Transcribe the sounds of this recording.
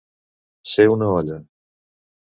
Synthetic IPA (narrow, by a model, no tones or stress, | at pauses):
seunəɔʎə